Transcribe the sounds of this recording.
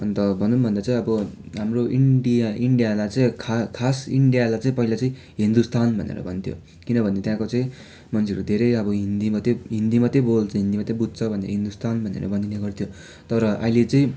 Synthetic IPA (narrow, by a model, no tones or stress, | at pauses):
ʌnt̪ʌbʱʌnunbʱʌnd̪at͡saĩʌbʌɦamroiɳɖijaʔiɳɖijalajt͡saĩkʰakʰasiɳɖijalajt͡saĩpʌɦilat͡saĩ | ɦind̪ust̪anbʱʌnḛɾʌ̰bʱʌnt̪ʰjo̰ | kinʌbʱʌnːet̪jãkot͡sʌĩ | mʌnt͡sʰiʌɾud̪ʱeɾʌjʌbʌɦind̪imʌt̪eɦind̪imʌt̪ebolt͡saiɦind̪imat̪ebud̪̚t͡sʰʌbʱʌnḛɾʌɦind̪ust̪anbʱʌnḛɾʌ̰bʌnd̪ineɡʌrt̪ʰjo | t̪ʌɾʌʔʌ̰ilet͡sʌĩ